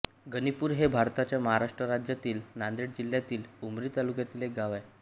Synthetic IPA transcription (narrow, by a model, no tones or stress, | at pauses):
ɡənipuːɾɦebʱaɾt̪at͡ɕjaməɦaɾaʂʈɾəɾad͡ʑjat̪iːlnand̪iɽd͡ʑiljat̪iːlumɾiːt̪alukjat̪iːlekɡaʋaj